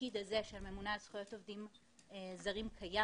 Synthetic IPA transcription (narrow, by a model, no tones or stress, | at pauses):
id̪aze̞ʃelme̞munalsχujo̞tovd̪im | ezɐʁimkʰaja